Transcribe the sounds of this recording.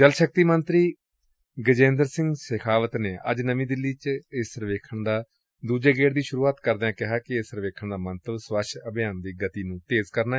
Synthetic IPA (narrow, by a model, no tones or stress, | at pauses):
d͡ʒəlʃək̚t̪iːmənt̪ɾiː | ɡəd͡ʒẽːnd̪əɾsɪ̃ŋɡsɪkʰaːʋət̪neːʔə̰d͡ʒnəmĩːd̪ɪlːiːt͡ʃɪsəɾʋeːkʰəɳd̪aː | d̪uːd͡ʒeːɡeːʈd̪iːʃʊɾuːaːt̪kəɾd̪eãːkɪɦaːkɪesəɾʋeːkʰəɳd̪aːmənt̪əʋsʋəʃəbɪjaːnd̪iːɡət̪iːnũːt̪eːzkəɾnaː